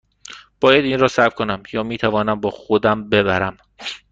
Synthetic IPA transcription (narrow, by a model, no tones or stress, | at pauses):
b̥ɒːjæd̪inrɒːsæɾbkʰo̞næmjɒːmiːt̪ʰævɒːnæmbɒːxod̪æmbe̞βæɾæm